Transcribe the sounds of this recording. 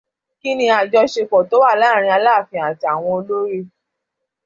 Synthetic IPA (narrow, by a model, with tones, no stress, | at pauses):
ki˦nĩ˧a˨d͡ʒɔ˧ʃe˧kɔ˨to˨˦wa˦˨laː˦˨ɾ̃ĩ˧a˧laː˦˨fĩ˧ã˨ti˨a˨w̃ɔ̃˧o˧lo˦ɾe˦˨